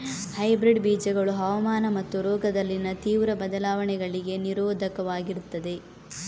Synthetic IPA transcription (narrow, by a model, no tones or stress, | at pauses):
hɐjbɾiɖbiːd͡ʒɐɡɐɭuɦɐʋɐmaːnɐmɐt̪ːuɾɔːɡɐd̪ɐlːinɐt̪iːʋɾɐbɐd̪ɐlaːʋɐɳɛɡɐɭiɡe̞niɾoːd̪ʱɐkɐʋaːɡiɾut̪ːɐd̪e̞